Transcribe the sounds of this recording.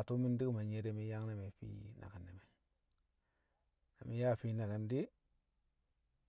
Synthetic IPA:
tu˦mi˦ndi˦kma˨ɲe˦de˦mi˦ja˦ŋ˦na˨me˨fḭ˦na̰˨ɡa˨nːe˨me˨ | na̰˨mi˦ja˦˨fi˦na˨ɡi˨ndi˦

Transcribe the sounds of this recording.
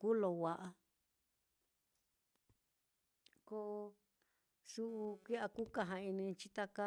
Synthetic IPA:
ku˦lo˧wa˨ʔa˧ | ko˧ʔo˧ | su˦ʔu˧kʷi˦a˧ku˦ka˧ɦã˧i˧nĩ˧t͡ʃi˦t̪a˧ka˦

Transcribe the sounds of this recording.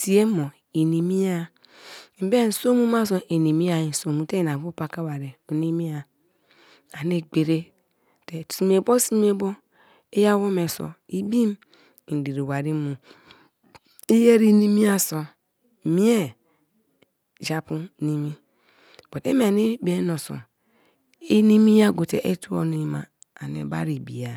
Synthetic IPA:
si˨e˦mo˨ | i˨ni˨mi˦a˦˨ | m̩˨˦be˦˨n̩˨so˦mu˦ma˦s̬o˨˦ʔe˨ni˨mi˦a˨i˨n˨so˨mu˨te˦˨na˨bu˦pa˨ka˦wa˨ɾe˨o˨ni˦mi˦a˨ | a˨ne˦ɡ͡be˨ɾe˦˨ | te˨si˨m˨e˨bo˦si˦m˦e˦bo˦ | e˦ja˦wo˦me˨so̰˨i˦bi˦m˨ | di˨ɾi˨wa˨ɾi˦mu˨ | i˦je˦ɾi˦ni˦mi˦a˦so˨ | mi˦e˦ | d͡ʒa˨pu˦ni˦mi˦ | b̥o˨tḛ˦me˦a˨ni˦be˦no˨so̰˨ | i˦ni˦mi˦ja˦˨ɡo˨tḛ˨ʔe˦tu˦o̰˨ni˦ma˨ | a̰˨n˨ḛ˨ba̰˦ɾi˨bi˨ja˨

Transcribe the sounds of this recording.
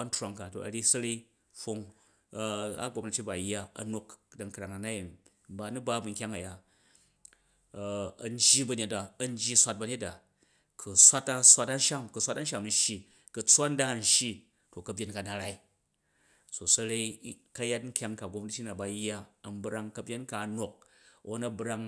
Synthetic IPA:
a˦n̩˦tɾa˨ŋka˨to̰˨ɐ˨ɾi˦sɐ˦ɾe˦i˦ | ɸo˦ŋ˦ | a̰˦ɡʷo˧mna˧t͡ʃʲi˦ba˨jːa˦ɐ̰˨no˦kda˨ŋkɾa˨ŋa˨na˦ji˨n | m̩˦ba˦nu˦ba˦bu˨ŋ̩˨kʲa˦ŋɐ˨ja˦˨ | ɐ̰˨n˦d͡ʒji˦bɐ˨ne˦t̚ba˨ɐ˦n˦d͡ʒji˦sʷa˦t̚bɐ˧ɲe˦t̚da˨ | kʰu˨sʷa˦ta˧sʷa˦ta˦n̩˦ʃa˦mkɨ˨sʷa˦ta˦n̩˦ʃa˦m˨n̩˦ʃji˦ | kɨ˨t͡sʷa˦n̩˦da˦˨n̩˦ʃji˦ | to˨kɐ˨bʲje˦nka˨na˨ɾa˦i˦ | so˨sɐ˦ɾe˦ikɐ˦ja˦tŋ̩˦kʲa˦ŋka˨ɡʷo˧m˦di˦tʲi˦na˨ba˨jːa˦ɐ˨m˦bɾa˧ŋkɐ˧bʲe˦nka˨no˨k̚o˦na˦bɾa˦ŋ

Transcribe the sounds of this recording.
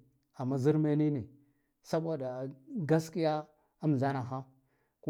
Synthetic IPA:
a˨mːa˦zi˦ɾma˦ni˦ni˨ | sa˦bʷa˨da˨ɡa˦ski˦ja˦ | a˦m˨ɮa˦na˨ɦa˦ | ku˦

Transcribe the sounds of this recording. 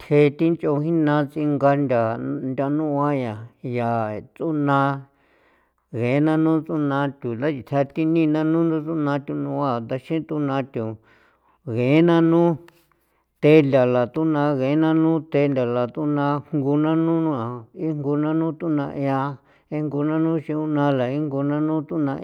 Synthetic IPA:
t̪ʰe˧˦t̪i˦nt͡ʃo˧hĩ˦nã˧˦t͡si˧ŋɡa˧nd̪ʲa˨nd̪ʲa˧nũ˦ʔa˦ja˨ja˨t͡su˦nã˧ | ɣe˨˦nã˦nũ˦t͡su˦nã˧˦t̪ʲu˨d̪a˦t͡ʃi˧t̪ʰa˧t̪i˧nĩ˦˧nã˦˧nũ˦d̪u˦˧t͡su˦nã˧t̪ʲu˧nũ˧a˧˨t̪a˧ʃĩ˦t̪u˦nã˧t̪ʲu˨ | ɣe˨˦nã˦nũ˦ | t̪e˧˦nd̪ʲa˨la˨t̪u˦nã˧ɣe˨˦nã˦nũ˦t̪e˧˦˧nd̪ʲa˨la˨t̪u˦nã˧ŋɡu˧nã˦nũ˦nũ˦a˨i˦ŋɡu˧nã˦nũ˦t̪u˦nã˧ʔa˧ | e˧ŋɡu˧nã˦nũ˦ʃĩ˧u˦nã˧la˨i˦ŋɡu˧nã˦nũ˦t̪u˦nã˧

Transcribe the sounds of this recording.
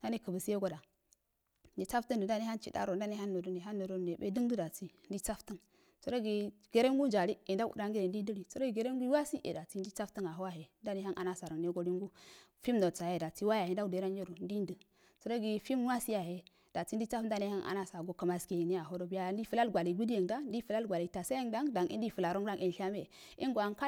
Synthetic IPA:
nda˦ne˦kə˨bə˨si˦je˦ɡo˦da˨ | n˦di˨t͡sa˦ftə˦ndu˨nda˦ne˦ha˦nt͡ʃḭ˨da̰˦ɾo˨n˦da˦ne˦ha˦nːo˨do˦ne˨ɦa˦nːo˨do˦˨ne˨bḛ˦di˦ŋdu˦da˨ti˦n̩˦di˦t͡sa˦ftə˦ŋ | t͡so˨ɾo˦ɡi˨ɡ̥e˨ɾe˦ŋɡu˦n˦d͡ʒa˨ɾi˦e˨da˦kṵ˨da˦ŋɡe˦ɾe˨ndi˦di˦ɾi˨t͡so˨ɾo˦˨ɡe˨ɾe˦ŋɡu˦wa˦si˦ʔḛ˨da˨ti˦n˦di˦t͡sa˦ftə˦ŋa˨ɦo˦wa˦ɦe˨n˦da˦ne˦ha˦nʔa̰˨na˦sa˨ɾə˨ŋne˦ɡo˦li˦ŋɡu˦ | fi˦mdo˨t͡sa˨je˨da˨t͡si˦wa˦ja˨he˨n˦da˦u˨de˨ɾa˦n˦d͡ʒe˦ɾu˨n˦di˦n˦də˨ | t͡so˨ɾo˦ɡi˨fi˦m˦a˦si˦ja˨ɦe˨ | d̥a˨t͡si˦n˦di˦t͡sa˦fn˦da˦ne˦ha˦ŋʔa̰˨na˦sa˨ɡo˨ka˨ma˨ske˨ne˦ja˨ɦo˦ɾo˦bi˦ja˦˨ndi˦fu˨la˦lɡʷa˨li˨ɡu˦di˦je˨ŋda˦n˦di˦fu˨la˦lɡʷa˨li˨ta˨sa˦e˦ŋda˦ŋda˨ŋḭ˦n˦di˦˨fu˨la˨ɾo˦ŋda˦ŋʔi˨n˨ʃa˦me˦˨ | i˦ŋɡo˨a˨ŋka˦

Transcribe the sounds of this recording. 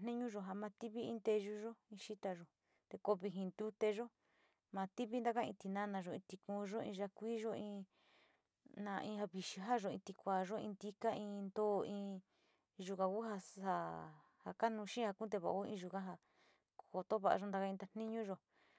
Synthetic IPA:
nĩ˦ɲũ˦ʒo˧˨ɦa˧mã˧t̪i˦βi˦ĩ˧nt̪e˧ʒu˧ʒo˦ĩ˧ʃi˦t̪a˧ʒo˨ | t̪e˧ko˧βi˧ɦĩ˧nd̪u˦t̪e˧ʒo˦ | mã˧t̪i˦βi˦nd̪a˦˧ka˦ĩ˧t̪i˧nã˦nã˧ʒo˨˧ĩ˧t̪i˧kũ˧ʒo˦ḭ̃˧ʒa˧kʷiː˦ʒo˦ĩ˧ | nã˧ʔĩ˧ha˧βi˨ʃi˧ɦa˦ʒo˧ĩ˧t̪i˧kʷaː˨ʒo˦ḭ̃˧nd̪i˦ka˦ĩ˧nd̪oː˦˨ĩː˧ | ʒu˧ka˧ku˦ɦa˧ha˧ | ha˧ka˦nũ˧ʃĩ˦ha˧kũ˦t̪e˧βa̰˧˨˧u˦ḭ̃˧ʒu˧kã˦ɦa˧ | ko˧t̪o˦βa˧ʔa̰˧ʒo˧˦nd̪a˧ka˧ĩ˧t̪a˧n̥ĩ˦ɲũ˦ʒo˨

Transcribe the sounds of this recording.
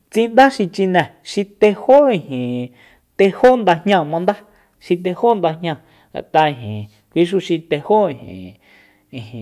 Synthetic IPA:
t͡sĩ˦nd̪a˦ʃi˧t͡ʃi˧nɛ̃˨ʃi˧t̪e˧ho˦ĩ˧hĩ˨ | t̪e˧ho˦nd̪a˧hɲã˧˨mã˧nd̪a˦ | ʃi˧t̪̬e˧ho˦nd̪a˧hɲã˧ | a̰˨t̪a˧ĩ˧˨ɦḭ̃˨ | kʷi˦ʃ̬u˧ʃi˧t̪e˧ho˦ĩ˧˨hḭ̃˨ | ĩ˨hĩ˨

